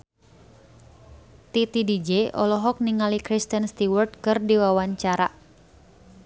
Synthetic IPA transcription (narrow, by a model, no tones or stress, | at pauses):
t̪it̪idid͡ʒɛʔɔlɔɦɔk̚niŋalikɾist̪ənst̪iwərt̪̚kɨrdiwawaɲt͡ʃaɾa